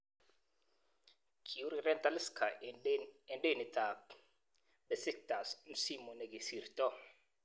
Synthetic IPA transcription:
kʰi˨u˦ɾirɛ˦nt̪ʼa˦li˦skʰa˨ | ɛ˨nde˦˨ni˨tʰa˨p̚ | bɛ˨si˦k̚ta˨sm̩˦si˦mɔ˨nɛ˨ki˨si˨rtʼɔ˦

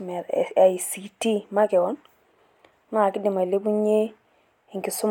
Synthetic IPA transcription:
me˨ɾ̰a˨i˨si˨ti˦ma˦ke˨wɔ˦n˦ | n˦a˨ki˦di˨ma˨le˦bu˦ɲe˦ | i˨ŋki˨su˦m

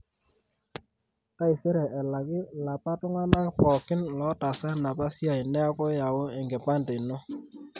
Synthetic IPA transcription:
ta˦i˨se˦ɾɛ˨ʔɛ˨la˨kɪ˦la˨pa˦tʊ˦ŋa˦na˦pɔ˨kɪ˦nlɔ˨˦ta˨sa˦na˨pa˦sja˨i˨nɛ˦a˦kɔ˦ja˨wo˦ɛ˨ŋɡɛ˨pa˦nde˨no˦

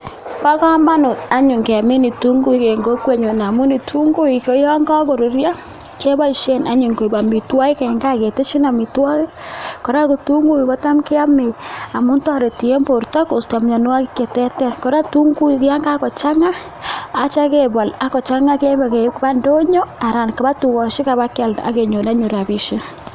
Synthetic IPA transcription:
pa˦ka˦ma˦nʊ˨ta˦ɲʊ˨ŋke˨mɪ˦ni˨tu˦ŋɡu˦ke˨ŋɡo˦kwe˦ɲo˨na˨mu˦ni˨tʰu˦ŋɡo˦i˨ko˦ja˦ŋɡa˦ko˨ɾu˨rja˦ | ke˦ba˦i˨ʃe˦na˨˦ɲu˨ŋko˨ba˨mi˨twa˦ɪ˦kɛ˨ŋɡa˦˨ke˨te˦ʃi˦na˨mi˨twa˦ke˦kɔ˨ɾa˦ko˨tu˦ŋɡu˦i˨ko˦ta˦mke˦a˦me˨a˨mu˦nta˦ɾe˨ti˨e˦mpo˨ɾta˦ko˨sta˨mɲɔ˨n˦wa˦kɪ˦ke˨tɛ˦tɛ˦nkɔ˨ɾa˦tu˦ŋɡu˦i˨kja˦ŋɡa˦kɔ˨t͡ʃa˦ŋaː˦ | t͡ʃa˦ke˨ba˨la˨kɔ˨t͡ʃa˦ŋa˦ke˦ba˨ke˨˦kba˦ndo˦ɲo˦a˨ɾa˨nka˨ba˦tu˨kɔ˨ʃi˦ka˨ba˦ka˨la̰˨ke˨ɲo˨na˦ɲo˨ɾa˨bi˨ʃe˦

